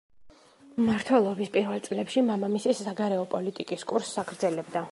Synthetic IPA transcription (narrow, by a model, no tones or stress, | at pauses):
maɾt̪ʰwɛlˠɔbispʼiɾvɛlˠt̪sʼlɛpʃimamamisiːaɡaɾɛɔpʼɔlit̪ʼikʼiskʼuɾsakʰɾd̪zɛlɛbd̪a